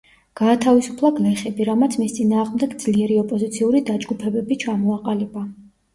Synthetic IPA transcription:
ɡ̥aːt̪ʰavisu̥pʰlˠaɡlɛχɛbiɾamat̪sʰmist̪sʼinaːʁmd̪ɛɡd̪z̥liɛɾiɔpʼɔzit̪sʰiuɾid̪ad͡ʒɡupʰɛbɛbit͡ʃʰamɔaqʼalɛba

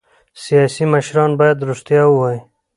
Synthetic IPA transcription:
sijɑsimaʃɾɑnbɑjad̪ɾust̪jɑwuwɑi

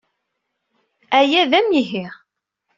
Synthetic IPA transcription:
æjæðæmiɦiʁ

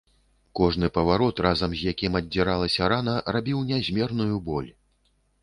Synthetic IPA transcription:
kɔʐnɨpɐvaɾɔt̪razɐmzʲjakʲimɐdʲiɾalˠɐsʲɐɾanɐrabʲiwnʲazʲmʲɛrnujubɔlʲ

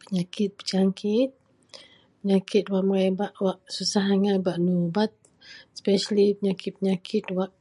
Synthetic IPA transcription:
pəɲakɪt̪̚bəd͡ʒaŋkʰɪt̪̚ | pəɲakʰɪt̪̚waʔməɾebaʔwaʔsusaɦaŋabaʔnubat̪̚ | spɛʃalipəɲakɪt̪̚pəɲakʰɪt̪waʔ

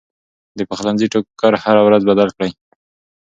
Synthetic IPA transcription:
d̪əpaxlanziʈokkːaɾhaɾawɾazbad̪alkɽaj

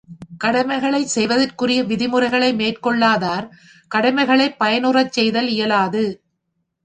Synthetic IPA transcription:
kɐɽɐmɐɪɣɐɭɐɪsɛjʋɐðɐrkɯrɪjɐʋɪðɪmɯrɐɪɣɐɭɐɪmeːrkɔɭːaːðaːɾ | kɐɽɐmɐɪɣɐɭɐɪpːɐjɐnɯrɐt͡ʃːɛjðɐlɪjɐlaːðɯ

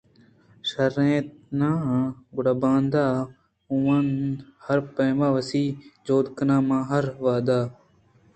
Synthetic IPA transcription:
ʃəɾẽːt̪̚nãːɦɡʊɽabãːnd̪aː | ũʋanhəɾpəːmãːʋəsiːd͡ʒoːd̪kənãːmãːɦəɾʋaːd̪aː

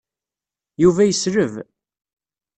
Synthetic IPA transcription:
juvæjəsɾəv

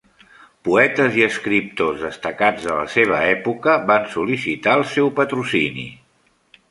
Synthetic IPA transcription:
puɛt̪əziəskɾip̚t̪ozðəst̪əkad͡zðələ̰seβ̞əɛpukəβansulisit̪aəlˠsɛwpət̪ɾusinḭ

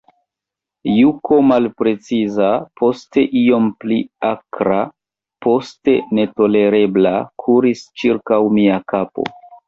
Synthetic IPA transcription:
jukʰo̞malpɾe̞t͡sizapʰo̞ste̞ʔijo̞mpliakɾa | po̞ste̞ne̞to̞le̞ɾe̞blakʰuɾist͡ʃiɾkawmiakapo̞̰

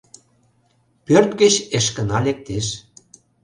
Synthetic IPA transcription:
pørt̪ɡə̆t͡ɕeʃkə̆nɑlek̚t̪eʃ

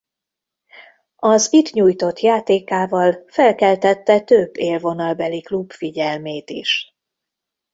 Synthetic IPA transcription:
ɒzit̪ɲuːjt̪o̞t̪jaːt̪eːkaːvɒlfɛlkɛlt̪ɛt̪ːɛt̪øbːeːlvo̞nɒlbɛliklubfiɟɛlmeːt̪iʃ

